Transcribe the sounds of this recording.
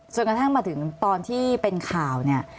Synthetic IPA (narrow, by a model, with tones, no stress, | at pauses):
t͡ɕʰo˧˩nka˧t̪ʰa˥˩ŋmaː˧t̪ʰɯ˩˦ŋt̪ɔː˧nt̪ʰiː˥˩pe˧nkʰaː˨˩wni˥˩ɐ